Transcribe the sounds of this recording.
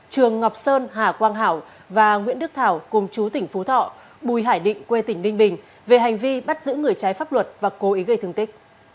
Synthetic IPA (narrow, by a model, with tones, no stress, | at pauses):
t͡ɕɨ˨˩əŋːɔ˨˩wk͡p̚səː˧nhaː˨˩kwaː˧ŋɦaː˧˩w | vaː˨˩ŋwi˧˥nɗɨ˦˥ək̚t̪ʰaː˧˩wkʊ˨˩ŋ͡mt͡ɕu˨˦t̪ï˧˩ŋ̟fu˨˦t̪ʰɔ̰˧˨ | ɓu˨˩jɦaː˧˩jɗḭ˧˨ŋ̟kwe˧t̪ï˧˩ŋ̟lï˧ŋ̟ɓï˨˩ŋ̟ | ve˨˩ɦa˨˩jŋ̟vi˧ɓa˦˥t̚zɨ̰˧˥ŋɨ˨˩əjt͡ɕa˨˦jfaː˦˥p̚lwə˨˩t̚vaː˨˩ko˨˦ʔi˨˦ɣə˧jt̪ʰɨ˧ŋt̪ï˦˥k̟̚